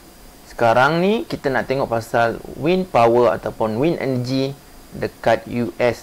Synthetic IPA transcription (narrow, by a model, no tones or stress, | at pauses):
sə̥kaɾaŋnĩkit̪anaʔt̪eŋɔʔpasalwinpawəa̰t̪apʊnwinʔɛ̰nəd͡ʒi | dəkat̪̚juʔɛs